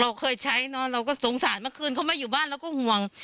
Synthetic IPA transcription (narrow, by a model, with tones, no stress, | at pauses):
ɾa˧wkʰɤː˧jt͡ɕʰa˦˥jnɔ˦˥ɾa˧wkɔː˥˩so˩˦ŋsaː˨˩˦nmaː˧˥˩kʰɯː˧nkʰa˥˩wmaː˧juː˨˩baː˥˩nlɛː˦˥wkɔː˥˩hu˧˩əŋ